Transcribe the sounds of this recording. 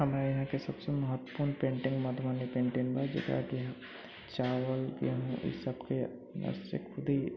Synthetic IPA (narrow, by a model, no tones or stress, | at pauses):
hɐmɾajɐɦãkesɐbseməɦət̪ːpʊːɾnpẽːɳʈɪ̃ŋɡmad̪ʱmaːnipẽːɳʈɪ̃ŋbad͡ʒɪ̰k̪a̰kiɦã | t͡ʃaːʋəlkḛɦũʔɪ̰səbke | nə̰sɪ̰kkʰʊd̪ʱi